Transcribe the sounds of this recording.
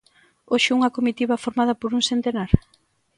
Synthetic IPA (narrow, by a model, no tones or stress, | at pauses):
oʃɪuŋɐkomit̪iβɐfoɾmað̞ɐpoɾuŋsent̪enaɾ